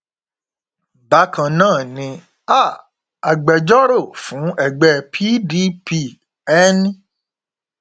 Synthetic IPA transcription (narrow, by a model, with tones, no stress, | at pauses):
ba˨˦kã˧˨nãː˦˨nĩ˧ | a˦˨ | a˨ɡ͡bɛ˨d͡ʒɔ˦ɾo˦˨fũ˨˦ɛ˦˨ɡ͡bɛ˦˨pʰi˦di˦pi˧˨ | ɛ˦nĩ˦